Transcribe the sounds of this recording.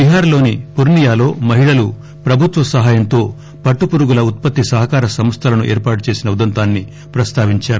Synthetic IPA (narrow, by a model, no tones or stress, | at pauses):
biɦaːɾlo̞ːnipuɾnijaːlo̞ːmɐɦiɭɐlu | pɾɐbʱut̪ʋɐsɐɦaːjɐnt̪o̞ː | pɐʈːupuɾuɡulɐut̪̚pɐt̪ːisɐɦɐkaːɾɐsɐmɐst̪ʰɐlɐnuʔeːɾpaːʈut͡ʃe̞ːsinɐud̪ɐnt̪aːnːi | pɾɐst̪ʰaːʋiɲt͡ʃaːɾu